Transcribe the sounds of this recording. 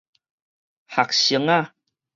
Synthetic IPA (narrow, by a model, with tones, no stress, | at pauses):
ha˨k̚si˨˩ə˦ŋa˦˨